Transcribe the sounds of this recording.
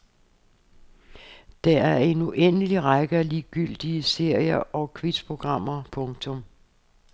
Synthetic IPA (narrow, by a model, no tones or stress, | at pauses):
d̥ɑæɐe̝nuʔenəliʁɑɡ̥əæliːɡ̥yl̰d̥iəse̝ɐ̰jɐʔɒ̽kʰʋid̥pʰʁo̝ɡ̥ʁɑ̈m̰ɐpʰɔ̽ŋt͡sʰɔ̽m